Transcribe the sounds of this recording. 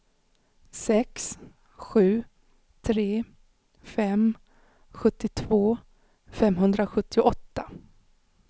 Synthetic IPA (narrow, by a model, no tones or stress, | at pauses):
sɛks | ɧʉ̟ː | t̪ʰɾeː | fɛm | ɧɵt̪ːɪt̪ʰvoː | fɛmɦɵnd̪ɾaɧɵt̪ːɪʊʔɔt̪ːa